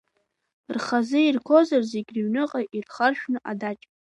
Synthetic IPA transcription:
rχazɨirkʰozarze̞ɡʲrɥnɨqʼaʔirχarʃᶣnɨʔadat͡ʃʼ

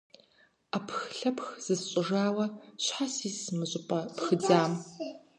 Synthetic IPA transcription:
aːpxɬɐpxz̥ɨzɕʼɪʐaːwɐɕħasiːsmɨɕʼɪpʼɐpxɨd͡zaːm

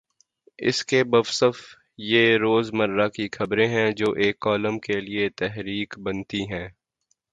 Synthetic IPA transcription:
ɪ̰skebɐʋsəf | jeɾoːzmɐɾːakixʰɐbɾẽɦɛ̃d͡ʒoːʔeːkːɔːləmkeliet̪ɛɦɾiːkbɐnt̪iɦɛ̃ː

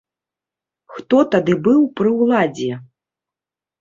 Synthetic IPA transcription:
xt̪ɔt̪ad̪ɨbɨwpɾɨwlˠad͡zʲɛ

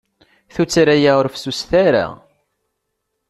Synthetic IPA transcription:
θut͡sːɾæjaʊɾfsusθæɾa̰

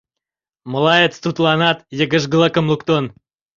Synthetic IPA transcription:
məlˠɑjət̪st̪ut̪lˠɑnɑt̪jəɡəʒɡəlˠəkə̆mlˠukt̪on

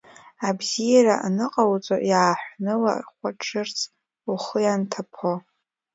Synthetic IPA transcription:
abzijaɾaʔanɨqʼawt͡sʼojaːħʷnɨla̰χʷaʈ͡ʂʰɨrt͡sʰ | uχəjantʰapʰo

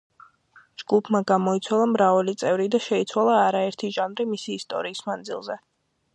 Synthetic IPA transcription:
d͡ʒɡupʰmaɡamɔit̪sʰwalˠamɾavalit̪sʼɛvɾid̪aʃɛit̪sʰwalˠaːɾaɛɾt̪ʰiʒanɾimisiːst̪ʼɔ̰ɾiːsmand̪zḭlˠzɛ

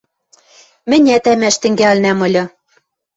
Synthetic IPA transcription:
mɘ̆nʲæt̪æmæʃt̪ɘ̆ŋɡælnæmɤ̆lʲɤ̆

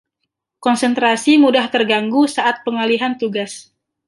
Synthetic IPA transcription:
kɔnsənt̪ɾasimudaht̪ərɡaŋɡusaʔat̪̚pəŋaliɦant̪uɡas

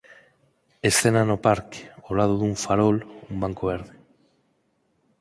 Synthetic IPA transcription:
esθenanopaɾke̥olað̞oðuɱfaɾolumbaŋkoβ̞eɾðe

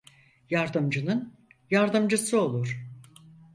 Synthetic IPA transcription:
jaɾd̪ɯmd͡ʒɯnɯn | jaɾd̪ɯmd͡ʒɯsɯo̞lˠuɾ̥

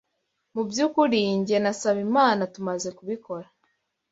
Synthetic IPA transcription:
mubjuːkuɾiːɲɟe̞nasaβimaːnatumaze̞kuβikʰo̞ɾa

